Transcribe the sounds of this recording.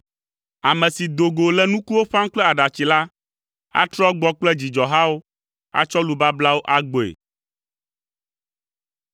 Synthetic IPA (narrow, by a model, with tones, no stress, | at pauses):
a˨mɛ̃˨si˨d̪o˨ɡo˨lɛ˦nũ˦ku˦wo˦ɸa˦ŋ̩˦k͡plɛ˦a˨ɖa˨t͡ɕi˨la˦ | a̰˦t̪ɾɔ˦ɡ͡bɔ˦k͡plɛ˦d͡ʑi˨d͡ʒɔ˨ɦa˦wo˦ | a̰˦t͡ʃɔ˦lu˨ba˦bla˦wo˦ʔa˦ɡ͡bo˨ḛ˨